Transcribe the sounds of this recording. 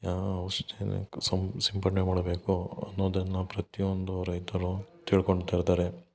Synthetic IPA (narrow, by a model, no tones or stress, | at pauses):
aɐʋɐʂʈḛsɐmsɐmpɐʈmemaːɽɐbe̞ːkuɐ̰nːoːd̪ɐnːɐpɾɐt̪iond̪uɾɐjt̪ɐɾut̪iːɭkoɳɖt̪ːaːjiɾt̪aːɾe